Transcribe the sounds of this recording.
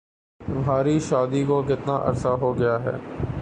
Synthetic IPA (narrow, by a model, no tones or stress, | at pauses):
ʋʱaːɾiʃaːd̪ikokɪt̪naʔɐ̰ɾsaɦoːɡɐjaːɦɛ̰ː